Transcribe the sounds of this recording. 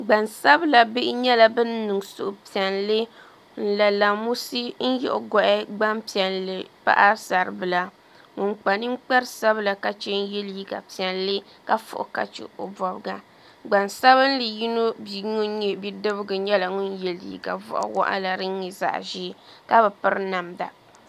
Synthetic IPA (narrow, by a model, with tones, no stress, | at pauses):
ɡ͡ba˨nsa˦bla˨bɪ˦ʔɪ˦ɲɛ˦la˨bɨ˦nː˦ɨ˨ŋsʊ̰˨ʔʊ˨pi˨ɛ˨nlɨ˦ | n̩˦la˨la˨mu˦si˦n̩˦jɛ̰˦˨ʔʊ˨ɡɔ˨ʔɪ˦ɡ͡ba˦mpi˨ɛ˨nlɨ˨pa̰˦ʔa˦sa˨ɾɨ˨bɨ˨la˨ | ŋʊ˨ŋk͡pa˨nɨ˦ŋ͡m̩˦k͡pa˦ɾsa˦βla˨ka˨t͡ʃɛ˦n˦jɛ˦lji˦ka̰˨pi˨ɛ˨nlɨ˦ | ka˦fʊ̰˨ʔʊ̰˨ka̰˨t͡ʃɪ̰˨o˨bɔ˨bɨ˨ɡa˦ | ɡ͡ba˨nsa˦βɨ˦n˦lɨ˨ji˦no˦bi˨ŋu˦ɲɛ˦bi˦dɨ˦bɨ˦ɡɨ˨ɲɛ˦la˨ŋu˦njɛ˦lḭ˨ka̰˨vʊ̰˦ʔa̰˦wɔ̰˦ʔa̰˦la˨ɾɨ˦ɛ˨za̰˦ʔʒiː˦ka˦bɛ˨pɨ˦ɾna˨mda̰˨